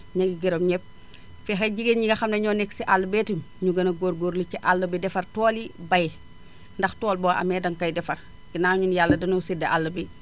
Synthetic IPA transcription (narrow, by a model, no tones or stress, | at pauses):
ɲɐɡiɡiɾomɲɛp̚ | fɛxɛɟiɡenɲiɡɐxɐmnɐɲɔnɛksiʔalːɐbɛːtimɲuɡɐnɐɡoːɾɡoɾliciʔalːɐbɛdɛfɐrtɔːlibɐj | ndɐxtɔːlboʔɐ̰mɛːdɐŋkɐjdɛfɐr | ɡ̥inaːɲunjalːɐdɐnusideʔalːɐbi